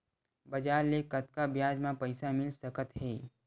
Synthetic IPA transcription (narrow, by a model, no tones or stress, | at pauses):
bɐd͡ʒaːɾlekɐt̪̚kabjaːd͡ʒmãpəɪsamɪlsəkət̪ɦɛː